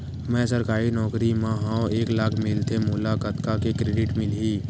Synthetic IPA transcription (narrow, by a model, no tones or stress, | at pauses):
mɛ̃səɾkaːɾinɔːkɾimãɦãːoeːklaːkʰmɪlt̪ʰemʊːlakət̪kakekɾeːɖɪʈmɪlɦiː